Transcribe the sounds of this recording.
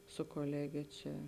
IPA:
sʊ koːˈlʲæːɡʲeː ˈt͡ʃʲɛ

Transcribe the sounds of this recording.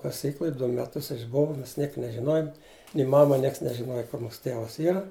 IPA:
kɐˈsʲiːklˠʊj ˈdʊ mʲɛˈtʊs ɪʒˈboːʋɐ ˈmʲɛs ˈnʲiɛk nʲɛʒʲɪˈnoːjʊm nʲɪ ˈmɑːmɐ ˈnʲiɛks nʲɛʒʲɪˈnoːjɛ kʊr ˈmuːsʊ ˈtʲeːʋɐs ˈiːrɐ

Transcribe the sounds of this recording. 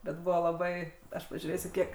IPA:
bʲɛt ˈbʊʋoː lˠɐˈbɐɪ ˈɐʃ pɐʒʲuːˈrʲeːsʲʊ ˈkʲiɛk

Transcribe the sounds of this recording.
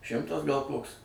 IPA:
ˈʃʲɪmtɐs ɡɐlˠ ˈkoːks

